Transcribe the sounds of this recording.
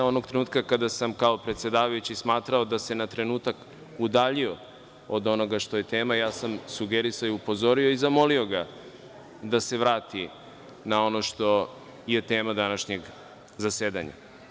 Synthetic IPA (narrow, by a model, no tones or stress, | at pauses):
o̞no̞ɡt̪ɾe̞nuːt̪̚kakad̪asamkao̞pɾet̪se̞d̪aːʋajut͡ɕismaːt̪ɾao̞d̪ase̞nat̪ɾe̞nuːt̪ak | ud̪aːʎio̞ | od̪o̞no̞ɡaʃt̪o̞je̞t̪eːmajaːsamsuɡeɾisajiupo̞zo̞ɾio̞izamo̞lio̞ɡa | d̪ase̞ʋɾaːt̪i | nao̞no̞ʃt̪o̞ | jet̪eːmad̪anaʃɲeɡ | zaseːd̪a̰ɲa̰